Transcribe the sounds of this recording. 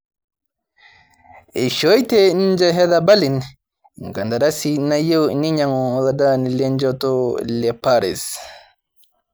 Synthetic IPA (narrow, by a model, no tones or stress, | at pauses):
ɛʃɔjtɛnid͡ʒaɦɛðabalin | ŋɡandaɾasinajewniɲaŋɔladanilɛnd͡ʒatɔlɛpaɾɛ̰s